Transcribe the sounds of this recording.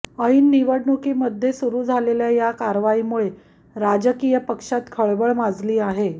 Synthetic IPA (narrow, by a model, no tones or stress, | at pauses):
əinːiʋəɽɳukiːməd̪ʱːjesuɾuːd͡zʱaleljajakaɾʋaiːmuɭe | ɾad͡ʑəkijəpəkʂat̪kʰəɭbəɭmad͡zliːaɦe